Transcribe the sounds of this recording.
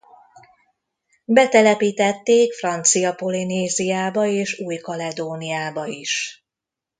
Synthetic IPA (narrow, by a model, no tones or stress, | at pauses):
bɛt̪ɛlɛpiːt̪ɛt̪ːeːkfrɒnt̪sijɒpo̞lineːzijaːbɒeːʃuːjkɒlɛd̪oːnijaːbɒiʃ